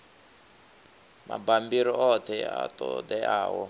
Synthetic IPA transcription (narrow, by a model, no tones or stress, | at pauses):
ma̰bambiɾɔʔɔt̪ʰɛat̪ɔd̪ɛa̰ːwɔ